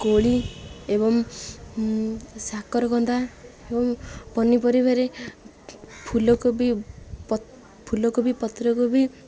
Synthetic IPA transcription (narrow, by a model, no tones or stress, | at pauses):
koɭiebɔŋ | sakɔɾɔkɔnd̪aebɔŋpɔnipɔɾibaɾe | pʰulɔkobi | pʰulɔkobipɔt̪ɾɔkobi